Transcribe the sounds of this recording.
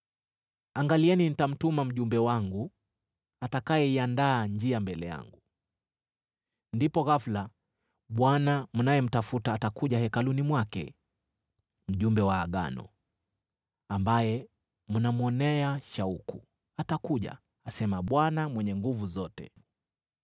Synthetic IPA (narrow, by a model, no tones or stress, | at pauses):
aŋɡaliɛninitam̩tumam̩ʄumbɛwaŋɡu | atakajɛiandaːɲd͡ʒiambɛlɛja̰ŋɡu | ndipɔɣafla | ɓwanamunajɛm̩tafutaːtakuʄahɛkalunimwakɛ̰ | m̩ʄumbɛwaːɠa̰nɔ̰ | ambajɛ | munamuɔnɛaʃauku | atakuʄa̰ | asɛmaɓwanamwɛɲɛŋɡuvuzɔtɛ̰